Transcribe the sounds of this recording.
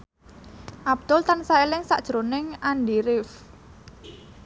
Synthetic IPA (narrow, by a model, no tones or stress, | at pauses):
ʔab̚d̪̥ʊlt̪ansaelɪŋsa̰ʔd̥ʒ̥əɾonɪŋanɖiɾɪf